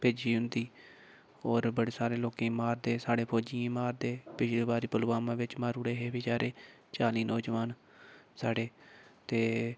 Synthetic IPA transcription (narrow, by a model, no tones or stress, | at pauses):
peːd͡ʒiːɦʊnd̪iː | ɔːɾbəɽeːsaːɾeːloːkẽːmaːɾd̪eːsaːɽeːpʰoːd͡ʒijãːmaːɾd̪eːpɪʃleːbaːɾiːpəlɡaːmãːʋɪt͡ʃmaːɾuːɽeɦeːbiːd͡ʒaːɾeː | t͡ʃaːliːnoːd͡ʒʋaːn | saːɽeːt̪eː